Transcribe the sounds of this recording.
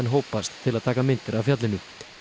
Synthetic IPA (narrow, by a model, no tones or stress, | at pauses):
nɦoːwpast̪ʰːɪlaðt̪ʰaːkamɪnt̪ɪɾavfjat̪lɪnʏ